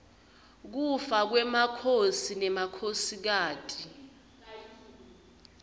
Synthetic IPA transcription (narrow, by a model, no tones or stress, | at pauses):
k̬ufak̬wɛmakʰosinɛmakʰosik̬aːtʼi